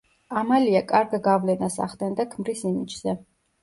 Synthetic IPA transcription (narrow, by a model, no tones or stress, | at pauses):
amaliakʼaɾɡɡavlɛnasa̰χd̪ɛnd̪akʰmɾisimid͡ʒz̥ɛ